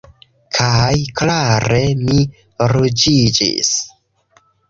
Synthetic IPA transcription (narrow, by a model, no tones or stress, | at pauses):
kʰajklaɾe̞mi | ɾud͡ʒid͡ʒḭs